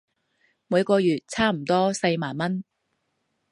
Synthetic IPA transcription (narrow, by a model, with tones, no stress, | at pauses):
muː˨˧jkɔː˧jyː˨˩t̚t͡sʰaː˥m̩˨˩t̪ɔː˥sɐ˧jmaː˨˩nmɐ˥n